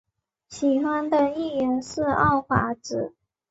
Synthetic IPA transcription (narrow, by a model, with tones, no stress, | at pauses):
ɕi˨˩xwa˥nd̪ə˨i˥˩ɥɛ˧˥nʂɻ̩˥˧ɑ˥˩ʊfa̰˧˥ʈ͡ʂɻ̩˨˩˦